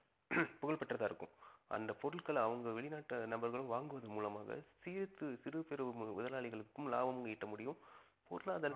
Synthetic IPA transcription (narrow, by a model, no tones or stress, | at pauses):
pʊɣɐɭpɐʈːrɐðaːɪɾɯkːɯ̰̃ʔɐ̰nd̪ɐpɔɾɯɭkɐɭɐʋɐŋɡɐʋɛɭɪnaːʈːɐnɐbɐɾɣɐɭɯ̃ʋaːŋɡɯʋɐðɯmuːlɐma̰ːɣɐ̰siːɾɯt̪ːɯsɪɾɯpɛɾɯmʊðɐlaːɭɪɣɐɭɯkːɯmla̰ːʋɐmɐŋɡɐɪʈːɐmʊɽɪjɯ̃m | pɔɾɯlaːðɐl